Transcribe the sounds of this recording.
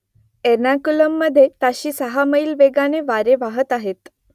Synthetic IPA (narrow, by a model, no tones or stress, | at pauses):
eɾnakuləmːəd̪ʱːjet̪aɕiːsəɦaməilʋeɡaneʋaɾeʋaɦət̪aɦet̪